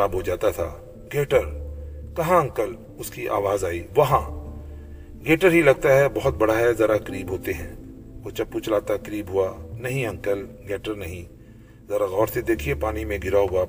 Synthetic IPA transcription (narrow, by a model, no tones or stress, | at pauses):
aːbɦod͡ʒaːt̪at̪ʰa̰ː | ɡeːʈəɾkɐɦãɐ̃ŋkəl | ʊskiʔa̰ːʋaːzaːiʋɐɦã | ɡeːʈəɾɦilɐɡ̚t̪aɦɛbɐɦʊt̪̚bɐɽaɦɛzɐɾakɐɾiːbɦoːt̪eɦɛ̃ː | oːt͡ʃɐpuːt͡ʃlaːt̪akɐɾiːbɦʊanɐɦĩɐ̃ŋkəlɡeːʈəɾnɐɦĩ | zɐɾaɣɔːɾsed̪eːkʰiepaːnimẽɡɪɾaɦʊa